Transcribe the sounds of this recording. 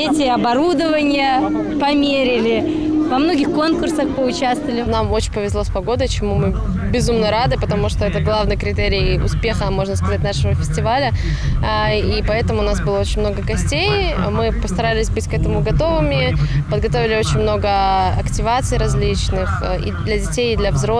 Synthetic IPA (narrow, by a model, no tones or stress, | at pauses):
etʲɪɐbɐɾud̪əvənʲɪjə | pɐmʲeɾʲɪlʲɪ | vɐmno̞ɡʲɪxko̞nkʊrsəxpəʊt͡ɕast̪vəlʲɪnamo̞t͡ɕɪnʲpəvʲɪzlˠospɐɡo̞d̪ət͡ɕɪmumɨ | bʲɪzumnəɾad̪ɨpət̪ɐmuʂt̪o̞ɛt̪əɡlˠavnəjkɾʲɪt̪ɛɾʲɪːʊ̰spʲe̞xəmo̞ʐnəskɐzatʲnaʂəvəfʲɪ̥sʲtʲɪvalʲə | ipɐɛt̪əmʊnasbɨlˠəo̞t͡ɕɪnʲmno̞ɡəɡɐsʲtʲej | mɨpəst̪ɐɾalʲɪsʲbɨtʲkɛt̪əmʊɡɐt̪o̞vɨmʲɪpəd̪ɡɐt̪o̞vʲɪlʲɪo̞t͡ɕɪnʲmno̞ɡəɐktʲɪvat̪sɨjɾɐzʲlʲit͡ɕnɨx | ḭd̪lʲɐdʲɪtʲejd̪lʲɐvzɾo